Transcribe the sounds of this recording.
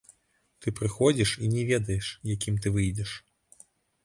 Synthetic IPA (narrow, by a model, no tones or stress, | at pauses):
t̪ɨpɾɨxɔd͡zʲiʂinʲɛvʲɛd̪ɐjɛʂjakʲimt̪ɨvɨjd͡zʲɛʂ